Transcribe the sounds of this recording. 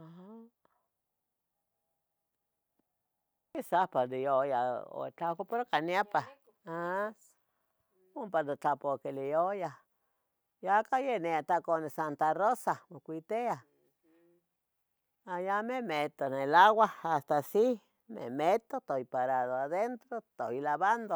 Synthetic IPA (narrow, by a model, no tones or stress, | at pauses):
aa | kisapad̪ijojao̰t͡ɬakopoɾkanjapa | a | ompad̪ot͡ɬapokelijoja | jakajeneat̪akonesant̪arosamokʷit̪ea | ajamemet̪onelawahast̪asi | mḛmet̪ot̪ojpaɾaðoaðent̪ɾot̪ojlaβand̪o